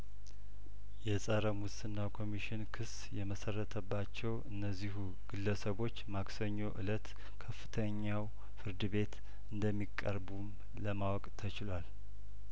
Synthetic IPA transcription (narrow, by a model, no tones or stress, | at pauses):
jɛsʼəɾəmwʊsɨnːakʰo̞miʃɪnkʰɨs | jɛməsərːət̪ʰəbːat͡ʃːɛwɨnːəzːiɦu | ɡ̥ɨlːəsəβo̞t͡ʃːmaksəɲːo̞ʔɨlət̪ | kʰəfːɨ̥t̪ʰəɲːaw | fɨɾd̪ɨβe̞t̪ | ɨnd̪əmːikʼːə̰ɾbum | ləmawɔkʼt̪ʰət͡ʃɪlwal